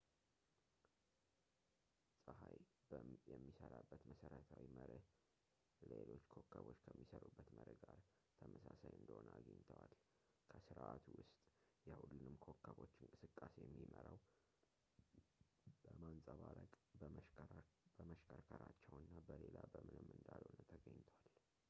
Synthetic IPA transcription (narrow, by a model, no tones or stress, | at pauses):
sʼɨhaj | jɛmːisəɾabːət̪məsəɾət̪ʰawiməɾə | lelo̞t͡ʃːkʰokʰːəβo̞t͡ʃːkʰəmːisəɾubːət̪məɾəɡaɾ | t̪ʰəməsasajɨnd̪əhonəaɡəɲt̪ʰəwal | kʰəsɨɾʔat̪ʰuwʊst̪ʼjɛhulːɨnɨmkʰokʰːəβo̞t͡ʃːɪŋkʼɨsɨkʼːasejɛmːiməɾaw | b̥əmansʼəβaɾəkʼ | bəməʃkʰəɾkʰəɾat͡ʃːɛwɨnːabəlelabəmɨnɨmːɨnd̪alonət̪ʰəɡəɲːt̪ʰəwal